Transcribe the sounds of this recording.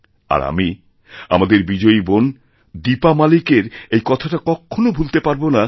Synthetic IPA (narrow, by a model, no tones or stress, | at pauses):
a̰ɾa̰mi | a̰mad̪eɾbid͡ʑoibon | d̪ipamalikeɾejkɔt̪ʰaʈakɔkʰːonobʱult̪epaɾbona